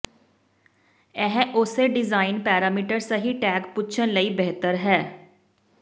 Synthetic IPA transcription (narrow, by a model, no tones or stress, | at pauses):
ɛɦʔʊseɖɪzaːɪnpɛːɾaːmiːʈəɾsəɦiːʈɛːkpʊt͡ʃʰənləiːbɛɦt̪əɾɦɛː